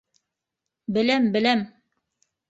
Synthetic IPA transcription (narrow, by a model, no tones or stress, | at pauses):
bɘ̆læmbɘ̆læm